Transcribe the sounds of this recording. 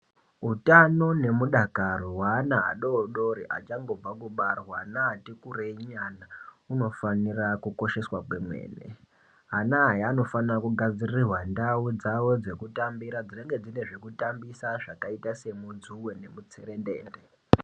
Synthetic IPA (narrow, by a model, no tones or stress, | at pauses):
utano̞ne̞muɗakarowaːnaa̰ɗoɗo̞ɾiʔa̰t͡ʃaŋɡo̞b͡vakuɓarwanaːtikureɲana | uno̞fanirakuko̞ʃe̞swakwe̞mwe̞̰ːnḛ | ɦanaɦjiano̞fanirakuɡʱad͡zirirwandaud͡zawo̞d͡ze̞kutambiɾad͡zireŋɡe̞d͡zine̞ʐekutambisaʐakaitase̞mud͡zuwe̞ne̞mut͡seɾe̞ndḛːnde